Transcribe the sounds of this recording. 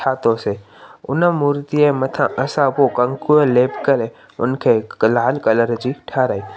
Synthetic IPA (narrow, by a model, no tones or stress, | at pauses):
aːt̪ose | ʊnəmuːɾt̪iemɐt̪ʰãʔɐsãpokɐ̃ŋkueleːpkɐɾe | ʊnkʰeːlaːlkɐləɾd͡ʒiʈʰaːɾaːiː